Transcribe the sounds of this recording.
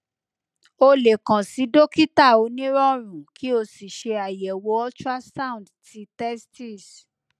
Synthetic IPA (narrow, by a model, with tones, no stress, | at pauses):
o˧le˨kã˨si˨˦do˦ki˦ta˦˨o˨˧˦nĩ˦ɾɔ˦ɾ̃ũ˨kʰi˦o˧si˨ʃe˧a˨jɛ˨wo˧˦ɔ˦t͡ʃa˦sa˦ũ˨dti˨˦tɛ˦sti˦˨s